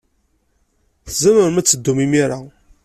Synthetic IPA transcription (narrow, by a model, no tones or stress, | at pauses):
θzæməɾmæt͡sːəd̪ːumimiɾa